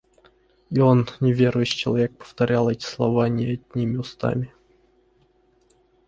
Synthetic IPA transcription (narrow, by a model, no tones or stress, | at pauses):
io̞nnʲɪvʲeɾʊjʊɕt͡ɕːɪlˠɐvʲe̞k̚pə̥ft̪ɐɾʲalˠɛtʲɪ̥slˠɐ̰vanʲɪɐd̪̚ʲnʲimʲɪʊst̪a̰mʲɪ